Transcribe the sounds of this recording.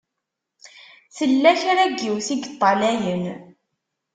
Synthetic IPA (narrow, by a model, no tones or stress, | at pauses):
θəlːæçɾæɡːiwθiɡət̪ˤːɑlæjən